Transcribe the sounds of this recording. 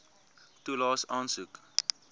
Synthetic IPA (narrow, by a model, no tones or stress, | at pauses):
tulɑːsɑːnsuk